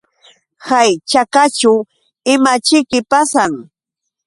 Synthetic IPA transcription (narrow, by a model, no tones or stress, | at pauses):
hajt͡ʃakat͡ʃʊ | ɪmat͡ʃɪkɪpasaŋ